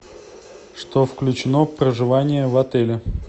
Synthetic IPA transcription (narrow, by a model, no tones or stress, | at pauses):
ʂt̪ofklʲʉt͡ɕɪnofpɾəʐɨvanʲɪjəvɐt̪ɛlʲɪ